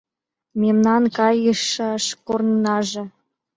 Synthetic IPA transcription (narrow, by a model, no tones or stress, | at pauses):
mʲemnɑnkɑjɤʃɑʃkornnɑʒĕ